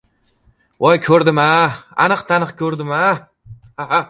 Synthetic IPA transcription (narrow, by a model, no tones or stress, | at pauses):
ʔɒjkʲʰɵɾd̪ɪmaa̰nɨqt̪ʰanɨqkʲʰɵɾd̪ɪma | haɦa